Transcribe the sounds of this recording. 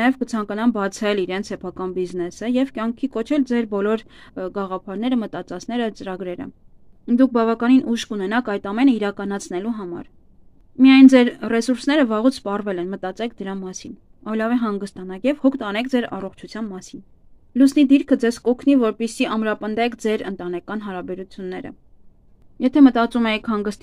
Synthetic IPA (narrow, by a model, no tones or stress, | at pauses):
jɛvkət͡sʰɑŋkɑnɑmbɑt͡sʰɛliɾɛnt͡sʰsɛpʰɑkɑnbiznɛsəjɛvkjɑŋkʰikɔt͡ʃʰɛld͡zɛɾbɔlɔɾ | ɡɑʁɑpʰɑɾnɛɾəmət̪ɑt͡sɑt͡sʰn̪ɛɾət͡səɾɑɡɾɛɾə̰ | d̪uk̚ʰbɑvɑkɑninʔuʃkunɛnɑkʰɑjt̪ɑmɛnəiɾɑkɑnɑt͡sʰnɛluɦɑmɑ̰ɾ | mijɑjnd͡zɛɾrɛsuɾsnɛɾəvɑʁut͡sʰspɑrvɛlɛnmət̪ɑt͡sɛk̚ʰd̪əɾɑmɑsin | ɑjlɑvɛɦɑŋɡəst̪ɑnɑkjɛvhɔkʰt̪ɑnɛk̚ʰd͡zɛɾɑ̰rɔχt͡ʃʰut͡sʰjɑnmɑsin | lusnid̪iɾkʰəd͡zɛzkɔkʰnivɔɾpisiʔɑmɾɑpənd̪ɛkʰd͡zɛɾənt̪ɑnɛkɑn̪ɦɑɾɑbɛɾut͡sʰjunːɛɾə̰ | jɛt̪ʰɛmət̪ɑt͡sumɛjikʰhɑŋɡəst̪